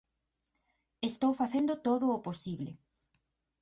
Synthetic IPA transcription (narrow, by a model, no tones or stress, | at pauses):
est̪owfaθend̪ot̪oðʊːposiβlḛ